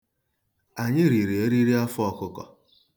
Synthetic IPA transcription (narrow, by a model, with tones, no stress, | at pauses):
a˨ɲɪ˦ɾi˨ɾi˨e˦ɾi˦ɾi˦a˦fʊ˦ɔ˦kʊ˦kɔ̰˨